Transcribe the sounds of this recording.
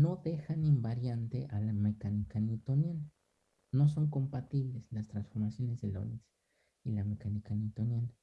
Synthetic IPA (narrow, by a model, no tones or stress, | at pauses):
noðexanimbaɾjant̪eʔalamekanikanit̪onjana | nos̬oŋkompat̪iβleslast̪ɾansfo̞ɾmasjonezðelo̰nis | ilamekanikanit̪onjana